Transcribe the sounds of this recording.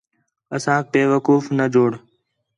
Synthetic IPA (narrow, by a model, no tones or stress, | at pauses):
əsãːk̚peːʋəkuːfnəd͡ʒʱoːɽ